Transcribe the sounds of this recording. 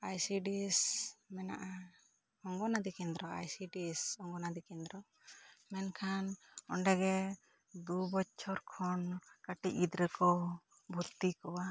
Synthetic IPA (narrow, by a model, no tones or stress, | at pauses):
ajsiɖismɛna̰ʔa | hɔŋɡɔnad̪ikɛnd̪ɾɔa̰jsiɖisɔŋɡɔnad̪ikɛnd̪ɾɔ | mɛnkʰanɔɳɖɛɡɛ | d̪ubɔt͡ʃʰɔɾkʰɔnkaʈiid̪ɾɛkɔ | bʱut̪ːikɔwa